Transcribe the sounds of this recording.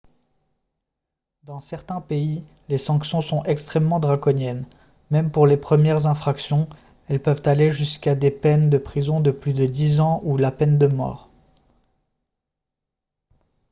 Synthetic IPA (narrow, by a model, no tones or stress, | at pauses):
d̪ɑ̃sɛʁt̪ɛ̃pei | lesɑ̃ksjɔ̃sɔ̃ʔɛkst̪χɛmːɑ̃d̪ʁakɔnjɛn | mɛmpuʁlepχəmjɛʁzɛ̃fχaksjɔ̃ | ɛlpœvt̪aleʒyskad̪epɛnd̪əpχizɔ̃d̪əplyd̪əd̪izɑ̃ulapɛnd̪əmɔ̰ːʁ